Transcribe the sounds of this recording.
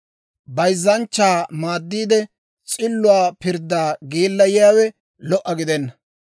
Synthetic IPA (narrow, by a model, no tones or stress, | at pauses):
bɐjzːɐnt͡ʃːaːmaːd̪ːiːd̪ɛ | t͡sʼɪlːʊwaːpɪɾd̪ːaːɡiːlːɐjɪjaːwɛ | lɔʔɐɡɪd̪ɛnːɐ